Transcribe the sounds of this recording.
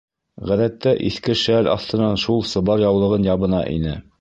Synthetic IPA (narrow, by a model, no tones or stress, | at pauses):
ʁæðæt̪ːæʔiθkɘʃælɑ̰θt̪ɤ̆nɑnʃulˠsɤ̆βɑɾjɑwlˠɤ̆ʁɤnjɑβɤ̆nɑʔḭnɘ